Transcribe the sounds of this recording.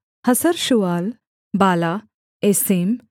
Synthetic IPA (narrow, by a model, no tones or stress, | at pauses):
həsəɾɕuʋal | baːla | esem